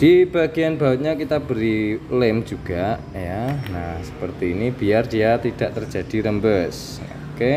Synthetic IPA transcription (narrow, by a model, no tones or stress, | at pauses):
d̥ib̥aɡijanbaət̪̚ɲakit̪abəɾilɪmd͡ʒuɡ̥aʔjanasə̥pərt̪iːnibiardijat̪id̥aʔt̪ərd͡ʒad̥iɾəmbəs | o̰ke